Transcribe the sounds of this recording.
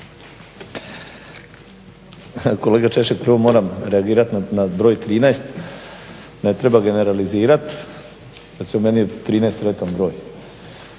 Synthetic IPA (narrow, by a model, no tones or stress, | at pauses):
ko̞leɡat͡ʃeʃek̚pɾ̩ʋomo̞ːɾamɾeaɡiːɾat̪nnabɾoːjt̪ɾiːnaest̪ | net̪ɾebaɡe̞neɾaliziːɾat̪ | kesomeniot̪ːɾiːnaest̪ɾet̪anbɾo̞ːj